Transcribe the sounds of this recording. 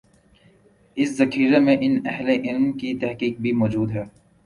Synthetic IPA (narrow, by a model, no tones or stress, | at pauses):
ɪszɐxiːɾemẽʔɪnɛɦleʔɪlmkit̪ɛɦqiːk̚bʱimɔːd͡ʒuːd̪ɦɛː